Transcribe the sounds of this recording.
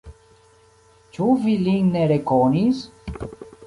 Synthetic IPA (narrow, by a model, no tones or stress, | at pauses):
t͡ʃuviliŋneɾekonis